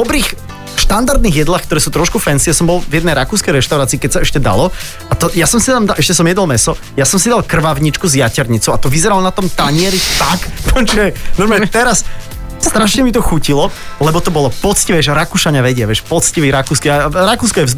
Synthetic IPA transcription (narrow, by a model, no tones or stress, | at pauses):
dɔbɾiːx | ʃt̪and̪aɾd̪niːɣjɛd̪laːxkt̪ɔɾɛːsuːt̪ɾɔʃkufɛnsijasɔmbɔlˠvjɛd̪nɛjɾakuːskɛjɾɛʃt̪aʊɾaːt͡siːkɛcsaɛʃcɛd̪a̰lɔ | at̪ɔjasɔmsid̪amd̪aʔɛʃcɛsɔmjɛd̪ɔlmɛsɔ | jasɔmsid̪alkr̩ʋaʊɲit͡ʃkuzjacɛɾɲit͡suat̪ɔʋizɛɾalɔnat̪ɔmt̪aɲɪɛɾit̪akpɔt͡ʃɛnɔmɛt̪ɛɾas | st̪ɾaʃɲɛmit̪ɔxucilɔlɛbɔt̪ɔbɔlɔpɔt͡sciʋɛjɛʃɾakuʃaɲaʋɛɟɪaʋɪɛʃpɔt͡sciʋiɾakuːskiaɾakuːskɔjɛvz